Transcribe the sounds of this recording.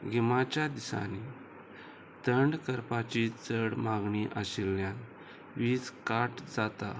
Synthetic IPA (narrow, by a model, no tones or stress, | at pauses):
ɡʱimat͡ɕad̪isa̰ni | t̪əɳɖkəɾpat͡ɕit͡səɽmaɡɳiʔəɕilːjãn | ʋiːd͡zkaʈd͡zat̪a